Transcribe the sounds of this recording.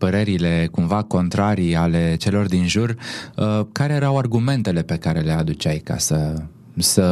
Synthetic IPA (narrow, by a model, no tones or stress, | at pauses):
pəɾe̞ɾile̞kumvako̞nt̪ɾaɾiale̞t͡ʃe̞lo̞rd̪inʒurəkaɾe̞jeɾawarɡume̞nt̪e̞le̞pe̞kaɾe̞le̞ad̪ut͡ʃajka̰sə | sə